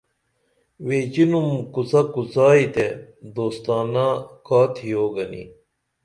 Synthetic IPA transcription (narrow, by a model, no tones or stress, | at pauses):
weːt͡ɕinumkut͡sɐkut͡saːit̪ed̪oːst̪aːnakaːt̪ʰijoːɡɐnḭ